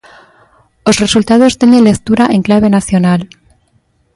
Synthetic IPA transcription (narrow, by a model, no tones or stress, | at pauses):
o̞sre̞sult̪að̞o̞st̪enenle̞kt̪uɾaʔe̞ŋklaβ̞e̞naθjo̞nal